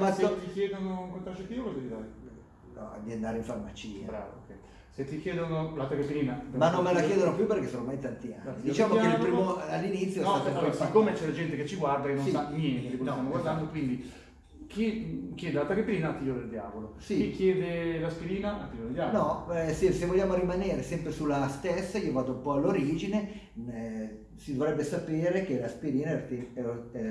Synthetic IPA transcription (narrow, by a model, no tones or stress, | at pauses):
mast̪ːikjɛːd̪onoukont̪ɾaɾt͡ʃːet̪ːiːokoekid̪aɾe | nɔ̰a̰d̪iend̪aːɾeiɱfarmat͡ʃiːa̰bɾa̰ːvo̰kɛ | set̪ːikjɛːd̪onolat̪akepːliːnamanːomːelakkjɛːd̪onopjupːerkesːoːnomajt̪ant̪ia̰nːid̪it͡ʃaːmoeelpɾimoalːinit̪sːjoaasikːoːmet͡ʃɛlad͡ʒɛnt̪eket͡ʃːiɡward̪akenːõndaɲɛnt̪eeposist̪amoɡwaɾrd̪and̪okwind̪i | kikjɛːd̪eat̪ːakepːiɾiːnat̪iʎːoɾd̪eld̪jaːvolosikikːjɛːd̪elaspiɾiːnaat̪iʎoːɾd̪eld̪janɔsesevːoʎːjːaːmoɾimaneːɾesɛmpɾesulːast̪esːakiɔvaːt̪oumpɔalːoɾiːd͡ʒine | sid̪ovɾɛbːesapeːɾek̟elaspiɾiːnaɛt̪eɛɛ